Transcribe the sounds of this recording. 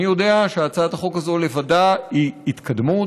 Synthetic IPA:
ijo̞deaʃeat͡saat̪aχo̞kazo̞le̞vadaiit̪kʰad̪mu

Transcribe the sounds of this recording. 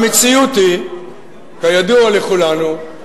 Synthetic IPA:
mit͡sijut̪i | kajad̪ualeχulanu

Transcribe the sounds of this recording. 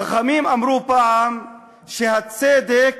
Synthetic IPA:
xamiːmamɾuːpaʕam | ʃehat͡seːd̪ek̚

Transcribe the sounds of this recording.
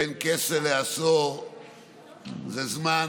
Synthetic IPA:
enkeseleaso | zezman

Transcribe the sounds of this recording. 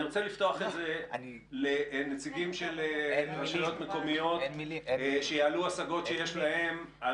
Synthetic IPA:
iʁot͡selift̪oaχetzea̰ni | lenet͡siɡimʃelenʃilot̪meko̞mijo̞tenmilieʃejaaluasaɡo̞tʃejeʃlahe̞m | a

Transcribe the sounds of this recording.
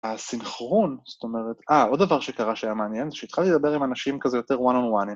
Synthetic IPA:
asinχʁonso̥t̪o̞me̞ʁet̪aʔo̞d̪davaʁʃe̞kaʁaʃajameːnjenzeʃeit̪χaled̪abe̞ʁimanaʃimkazejo̞t̪e̞ʁwanonwan

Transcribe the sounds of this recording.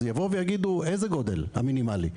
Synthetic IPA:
javovejaɡid̪uejzeɡo̞d̪ḛlha̰minimalḭ

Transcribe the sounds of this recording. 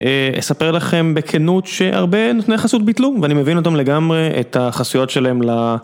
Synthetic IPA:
eḛsape̞ʁlaχe̞mbe̞kʰenutʃeʔa̰ʁbe̞not̪nejaχasut̪̚bit̪luveanimevinot̪̬amle̞ɡamʁe̞ʔḛt̪ʰaχasujo̞tʃelaemla

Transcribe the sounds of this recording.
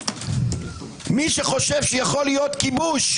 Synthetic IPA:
miʃeχo̞ʃevʃɛjaχo̞lijo̞t̪kibuʃ

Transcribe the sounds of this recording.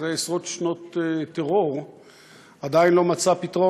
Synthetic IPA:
zeesʁo̞t̪ʃnot̪teʁo̞ʁ | ad̪ainlo̞mat͡sapit̪ʁo

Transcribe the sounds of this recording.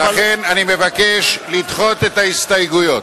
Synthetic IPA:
laχenanime̞vakeʃlid̪χo̞t̪e̞t̪aist̪ajɡujo̞t

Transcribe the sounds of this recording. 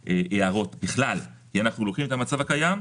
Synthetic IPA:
ʔeʔeaʁo̞t̪biχlalkianaχnulokχime̞t̪amat͡savakajam

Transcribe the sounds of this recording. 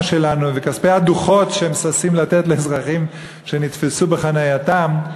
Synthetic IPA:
ʃe̞lanuvekaspejaduχo̞tʃeemsasimlat̪etleezʁaχim | ʃe̞nit̪fesube̞χanajatam

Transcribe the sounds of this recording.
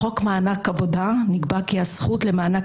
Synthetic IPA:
χo̞kmaːnakavo̞d̪aniɡbakiasχutlemaːna

